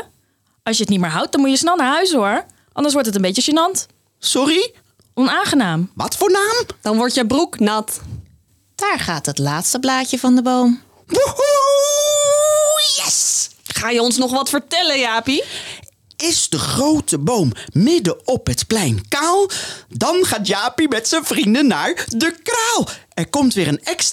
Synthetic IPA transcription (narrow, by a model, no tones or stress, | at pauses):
ɑlˠsjəətnitmɪːɹɦʌwt̚dɑnmutjəsnɛlˠnaːɹɦœɥs̬ɦʊɹ | ʔɑ̰ndəɹsʋɔɹtɦət̬ənbejtəʃənɑnt | sɔri | ɔnaːŋχənaːmʋɑ̰tfʊːɹnaːmd̥ɑnʋɔɹtjəbruknɑt | d̥aːɹχaːtɦətlaːtstəblaːcəvɑndəbowm | bu | jɛsχaːjəɔnsnɔχʋɑtfəɹtɛlənjaːpi | ɪzdəχrowtəbowmːɪdəɔpɦətklɛjnkaːlˠdɑnχaːtjaːpimɛtsənvrindənːaːɹdəkraːlˠɛɹkɔmtʋɪːɹənɛks